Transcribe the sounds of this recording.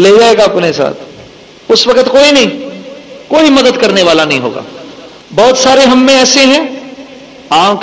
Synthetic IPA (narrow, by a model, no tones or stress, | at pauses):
leːd͡ʒaːeːɡaɐpnesa̰ːt̪ʰ | ʊswɐkət̪koːinɐɦĩ | koːimɐd̪əd̪kɐɾneʋaːlanɐɦĩɦo̰ːɡa̰ː | bɔːt̪saːɾeɦɐmːẽɛːseɦɛ̃ː | ãːk